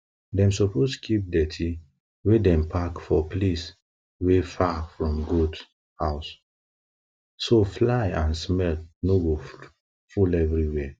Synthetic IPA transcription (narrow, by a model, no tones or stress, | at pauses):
dɛ̃msɔposkʰip̚dɛtʰi | wedɛ̃mpʰakfɔplis | wefafɹɔ̃mɡud | haʊs | soflaɪãnsmɛlnoɡo | fulɛvɹiwɛ